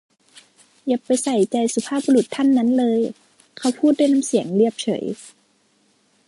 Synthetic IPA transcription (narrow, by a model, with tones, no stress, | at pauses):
ja˧˩pːa˨jsa˧˩jt͡ɕa˧jsu˧pʰaː˥˨p̚bu˧lu˨˧˩t̪ʰːa˥˨nːa˦˥˨nlɤː˧j | kʰa˧˩wpʰuː˥˨t̪̚da˥˨jna˧˥msi˨˩˦əŋli˥˩əp̚t͡ɕʰɤ̰˨˩˦j